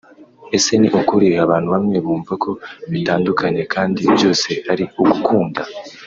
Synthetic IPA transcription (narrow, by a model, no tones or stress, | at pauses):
e̞se̞niʔukuɾiaβaːn̥huβamŋe̞βuːmvakʰo̞βitaːndukʰaɲe̞kʰaːndibjo̞ːse̞haɾiuɡukuːnda